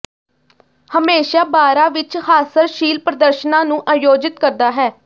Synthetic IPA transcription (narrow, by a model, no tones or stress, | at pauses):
həmeːʃaːbaːɾãːʋɪt͡ʃhaːsəɾʃiːlpɾəd̪əɾʃənãːnũːʔãːjoːd͡ʒɪt̪̚kəɾd̪aːɦɛː